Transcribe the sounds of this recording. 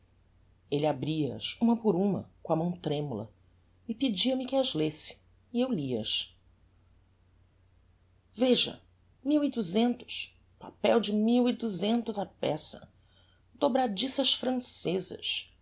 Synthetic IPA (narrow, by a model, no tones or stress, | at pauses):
elɪabɾiɐɐ̰sũmɐpʊɾũmɐ̰kõɐmɐ̃w̃t̪ɾẽmulɐ̰ | ɪpɪd͡ʒiɐmɪkɪɐzlesɪ̥ | iewliɐ̰ʃ | veʒɐ̰ | miwɪd̪uzẽnt̪ʊ̥s | pa̰pɛwd͡ʒɪmiwid̪uzẽnt̪ʊzapɛsɐ | d̪̥obɾad͡ʒisɐʃfɾɐ̃sezɐ̰s